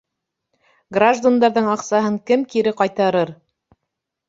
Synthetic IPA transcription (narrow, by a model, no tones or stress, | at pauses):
ɡraʒd̪and̪ɑɾðɤɴɑqsɑɦɤŋkɘmkiɾɘqɑjt̪ɑɾɤɾ